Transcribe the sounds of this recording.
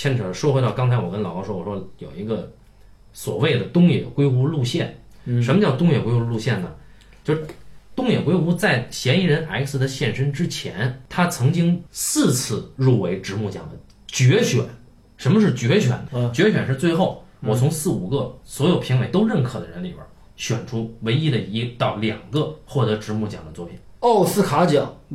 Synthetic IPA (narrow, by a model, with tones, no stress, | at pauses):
ɛ˥nʈ͡ʂʰɤ˨˩ʂwɔ˥xwɪɾɑ˥˩ʊkɑ˥ŋt͡sʰa˧˥ɪwɔ˨˩kə˥nlɑ˨˩ʊkɑ˥ʊʂwɔ˥wɔ˨˩ʂɔ˥jo˨˩ʊi˧˥ɡə˧ | swɔ̰˨˩we˥˩ɪd̪ə˩t̪ʊ˥ŋjɛ̰˨˩kwe˥ɪu˥lu˥˧ɕjɛ˥˩n | ʂə˧˥nmə˧t͡ɕjɑ˥˩ʊt̪ʊ˥ŋjɛ˨˩kwe˥ɪu˧˥lu˥˧ɕjɛ˥˩nə˩ | t͡ɕjo˥˧ʊʂɻ̩˥˩t̪ʊ˥˧ŋjɛ˨˩kwe˥ɪu˥t͡sa˥˩ɪɕjɛ˧˥ni˧˥ɻə˧˥nʔa̰˧˥ɪksɹ̩˧˥d̪ə˧ɕjɛ˥˩nʂə˥nʈ͡ʂɻ̩˥t͡ɕʰjɛ˧˥nt̪ʰa˥t͡sʰɤ˧˥ŋt͡ɕi˥ŋsɹ̩˥˧t͡sʰɹ̩˥˧ɻu˥˩we˧˥ɪʈ͡ʂɻ̩˧˥mu˥˩t͡ɕjɑ̰˨˩ŋd̪ə̰˦ | t͡ɕɥɛ˧˥ɕɥɛ̰˨˩˦n | ʂə˧˥nmə˧ʂ̬ɻ̩˥˩t͡ɕɥɛ˧˥ɕɥɛ̰˨˩˦nt͡ɕɥɛ˧˥ɕɥɛ˨˩nʂɻ̩˥˧t͡swe˥˧ɪxo˥˩ʊwɔ˨˩t͡sʰʊ˧˥ŋsɹ̩˥˩u˨˩ɡə˥˧swɔ˧˥jo˨˩ʊpʰi˧˥ŋwe˧˥ɪt̪o˥ʊɻə˥˩nkʰɤ˨˩d̪ə˦ɻə˧˥nlḭ˨˩bə̰˧˥ | ɕɥɛ̰˨˩nʈ͡ʂʰu˥we˧˥ɪi˥d̪ə˨i˧˥t̪ɑ˥˩ʊljɑ˨˩ŋɡə˧xwɔ˥˩t̪ɤ˧˥ʈ͡ʂɻ̩˧˥mu˥˩t͡ɕjɑ̰˨˩ŋd̪ə˦t͡swɔ˥˩pʰḭ˨˩˦no˥˩ʊsɹ̩˥˩kʰa˧˥t͡ɕjɑ˨˩˦ŋ